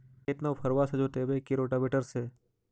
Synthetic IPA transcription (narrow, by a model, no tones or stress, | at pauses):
eːt̪naʋpʰɐɾʋasɐd͡ʒoːt̪eːbekiɾoːʈabeʈəɾseː